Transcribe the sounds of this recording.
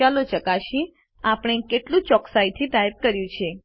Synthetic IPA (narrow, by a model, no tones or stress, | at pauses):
alot͡ʃəkaʃi | apəɽ̃ekeʈlũt͡ʃɔksait̪ʰit̪aip̚kəɾjũt͡ʃʰe